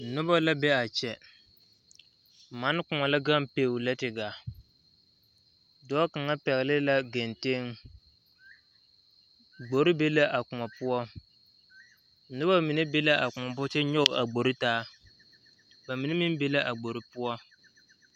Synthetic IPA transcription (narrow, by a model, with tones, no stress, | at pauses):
nʊ˦ba˦la˦bɛ˦a˨t͡ʃɛ˨ | ma˦n˦kʊ˨ŋa˨la˦ɡa˦mpeː˨la˦tɪ˨ɡa˨ | dɔː˦ka˨ŋa˦pɛ˨ɣɪ˨lɪ˦la˦ɡe˨nte˦ŋ | ɡ͡bo˨ɾɪ˦be˦la˦ʔa˨kʊ˨ŋa˨pʊ˦ɔ˦ | nʊ˦ba˦mi˨nɛ˦be˦la˦ʔa˨kʊ˨ŋa˨bʊ˦t͡ʃɛ˦ɲɔ˦ɣʊ˨ʔa˨ɡ͡bo˨ɾɪ˦taː˦ | ba˨mi˨nɛ˦mɪ˦n˦be˦la˦ʔa˨ɡ͡bo˨ɾɪ˦pʊ˦ɔ˦